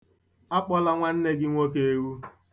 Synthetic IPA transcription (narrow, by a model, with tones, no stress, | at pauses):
a˦k͡pɔ˦la˦ŋʷa˦n̩˦ne˦ɡɪ˦ŋʷo˦ke˦e˦wu˦